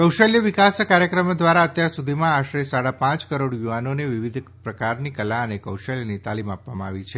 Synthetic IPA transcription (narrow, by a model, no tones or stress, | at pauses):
kəwʃəljəʋikaskaɾjəkɾəmd̪ʋaɾaət̪jaɾsud̪ʱimãaʃɾesaɽapãt͡ʃkəɾoɽjuʋanoneʋiʋid̪ʱpɾəkaɾnikəlaənekəwʃəljənit̪alimapʋamãːʋit͡ʃʰe